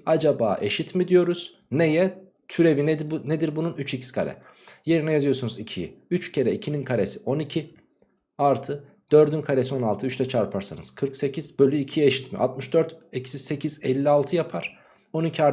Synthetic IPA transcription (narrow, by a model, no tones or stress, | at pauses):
ad͡ʒaba̰ːʔe̞ʃit̪mid̪ijo̞ɾuz̥ | nejɛ | t̪ʰyɾe̞vinɛned̪iɾbununyt͡ʃʰecʰi̥si̥kʰa̰ɾʲɛ̰ | je̞ɾinɛjazɯjo̞ɾsunuzicʰijḭyt͡ʃcʰe̞ɾɛicʰininkʰaɾʲesio̞nicʰi | aɾt̪ʰɯ | d̪̥øɾd̪ynkʰaɾesio̞nalˠt̪ʰɯyt͡ʃlʰɛt͡ʃʰaɾpʰaɾsanɯz̥kʰɯɾkse̞cʰizbølʲyicʰijeʃit̪mḭʔa̰t̪mɯʃd̪øɾt̪ecʰi̥sise̞cʰizɛlʲːialˠt̪ʰɯjapʰaɾ̥ | o̞nicʰiaɾ